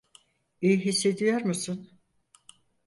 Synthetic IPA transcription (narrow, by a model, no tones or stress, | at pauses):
ejɦisːe̞d̪ijoɾmusun